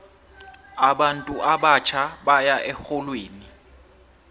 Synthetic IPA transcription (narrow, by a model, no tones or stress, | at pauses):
aɓantʼuʔaɓat͡ʃʰaɓajaʔɛxɔlweːni